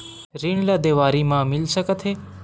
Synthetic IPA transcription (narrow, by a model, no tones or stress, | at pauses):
ɾiːɳ̃lad̪eːʋaːɾimãːmɪlsəkət̪ʰeː